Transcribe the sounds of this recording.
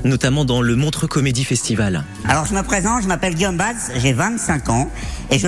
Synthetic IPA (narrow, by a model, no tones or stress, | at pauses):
nɔt̪amɑ̃d̪ɑ̃ləmɔ̃t̪χəkɔmed̪ifɛst̪ival | alɔʁʒəməpχezɑ̃ʒəmapɛlɡʲiɔmbazʒevɛ̃t̪sɛ̃kɑ̃eʒə